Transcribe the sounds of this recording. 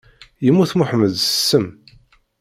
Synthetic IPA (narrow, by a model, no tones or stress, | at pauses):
jəmːuθmʊħməðsə̥sːəm